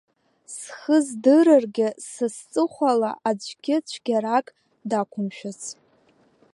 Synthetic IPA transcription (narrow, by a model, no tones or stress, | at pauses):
sχəzdɨɾɨrɡʲɪsɨst͡sʼɨχʷala̰ʔad͡ʒʷʰɡʲɪt͡ɕʷʰɡʲaɾakʼ | dakʷʰʊmʃᶣat͡sʰ